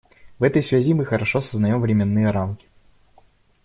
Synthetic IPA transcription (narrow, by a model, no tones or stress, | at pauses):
vɛt̪əjsvʲæzʲimɨxəɾɐʂosəznɐjomvɾʲɪmʲɪnːɨjəɾamkʲɪ̥